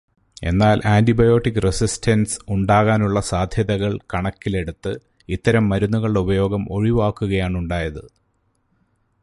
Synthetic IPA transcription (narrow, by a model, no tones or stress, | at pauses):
e̞̰nːaːlʔaːntibɐjo̞ːʈːikːɨresistʰɐnsuɳɖaːɣaːnuɭːɐsaːd̪ʱjɐðɐɣɐɭkɐɳɐkːile̞ɽut̪ːɨ | it̪ːɐɾɐmːɐɾunːuɣɐɭɖeubɐjo̞ːɡɐmo̞ɻiʋaːkːuɣɐjaːɳuɳɖaːjɐðɨ